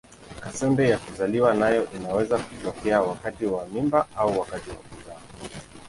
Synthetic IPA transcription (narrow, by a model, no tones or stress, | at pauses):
kasɛmbɛjakuzaliwanajɔʔinawɛzakutɔkɛawakatiwamimbaauwakatiwa̰kuðaɔ